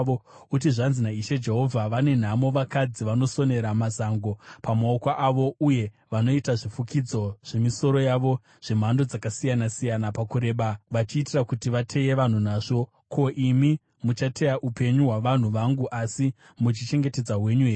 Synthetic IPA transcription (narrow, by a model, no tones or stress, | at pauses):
out̬iʐanzinaiʃed͡ʒe̞ɦo̞vʱaʋane̞n̤amo̞ʋakad͡ziʋano̞so̞ne̞ɾamazaŋɡo̞pamaokwaʔːʋo̞uje̞ | ʋano̞itaʐifukid͡zo̞ʐ̥e̞miso̞ɾo̞jaʋo̞ | ʐ̥e̞m̤ando̞d͡zakasijanasijanapakuɾe̞ːɓaʋat͡ʃiːtirakutiʋatʰe̞je̞ʋan̤unaːʐo̞ | kʰo̞ʔimi | mut͡ʃatʰe̞jaʔupe̞ɲuɦwaʋan̤uʋaŋɡuʔasi | mut͡ʃit͡ʃe̞ŋɡe̞te̞d͡zaɦwe̞ɲuɦeː